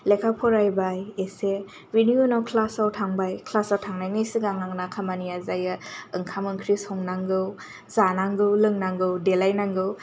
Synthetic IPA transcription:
lekʰapʰɔɾajbajese | venjunawkʰlasawtʰaŋbajkʰlasawtʰaŋnajnɯjsiɡaŋaŋnakʰamaniazajɯɯŋkʰamɯŋkʰɾisɔŋnaŋɡɯw | zanaŋɡɯwlɯŋnaŋɡɯwdelajnaŋɡɯw

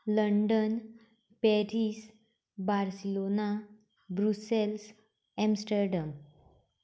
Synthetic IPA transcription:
ləɳɖən | pɛɾis | baɾsilona | bɾusels | emsʈəɾɖam

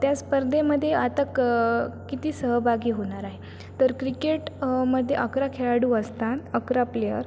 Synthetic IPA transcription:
t̪jaspəɾd̪ʱeməd̪ʱːjeat̪akkit̪iːsəɦbʱaɡiːɦoɽ̃aɾaɦe | t̪əɾkɾikeʈməd̪ʱːjeʔəkɾakʰeɭaɽuəst̪at̪əkɾaplejə̰ɾ

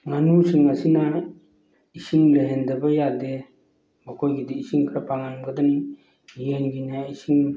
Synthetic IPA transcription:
ŋanusiŋasina | isiŋləɦendabajade | bakʰojɡidiisiŋkʰɾapʰaŋanɡadani | jenɡinaisiŋ

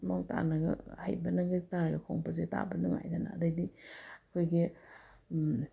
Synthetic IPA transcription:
moŋta̰nɐɡɐ̰ha̰jbɐnɐɡɐtaɾɐɡɐkʰoŋpɐzeta̰bɐduŋa̰jdɐnɐ̰ːdɐdiɐkʰojɡi

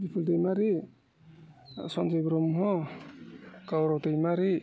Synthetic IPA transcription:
bipʰuldejmaɾi | sɔnd͡ʒajbɾɔmɦɔ | kawɾawtajmaɾi

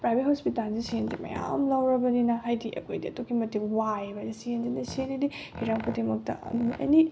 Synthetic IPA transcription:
pɾajbʱet̚hospitalzisienzimɐ̰ja̰mlɐwɾɐbɐninɐɦajdiʔɐ̰kʰojdiɐtokʰːimɐtːiwajbadisienzinɐsenidihiɾaŋpʰudemɐk̚tɐ̰ɐ̰jni

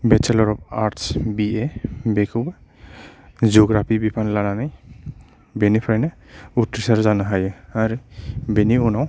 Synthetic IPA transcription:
bɛt͡ʃʰɛlɔɾɔb̚aɾʈsbiebekʰɯwba | zuɡɾapʰibipʰanlananaj | benipʰɾajna | utɾisaɾzanaɦajɯaɾibeniɔnaw

